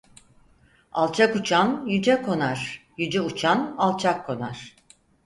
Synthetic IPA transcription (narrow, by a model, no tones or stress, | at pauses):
a̰lˠt͡ʃʰakut͡ʃʰanjyd͡ʒɛkʰo̞naɾ̥jyd͡ʒɛut͡ʃʰanalˠt͡ʃʰakʰːo̞naɾ̥